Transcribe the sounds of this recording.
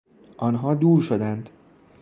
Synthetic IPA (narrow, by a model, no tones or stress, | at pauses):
ʔɒnɦɒd̪uːrʃod̪ænt̪